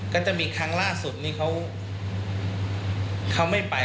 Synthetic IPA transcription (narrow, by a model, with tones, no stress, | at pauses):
kɔː˥˩t͡ɕa˨˩miː˧kʰa˧ŋlaː˥˩su˨˩t̪̚niː˧˩kʰa˦˥w | kʰa˦˥˩wma˥˩jpa˧